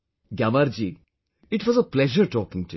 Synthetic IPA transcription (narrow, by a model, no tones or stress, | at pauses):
ɡjamaɾd͡ʒi | ɪʈʋɔzəplɛʒəɾʈɔːkɪ̃ŋtu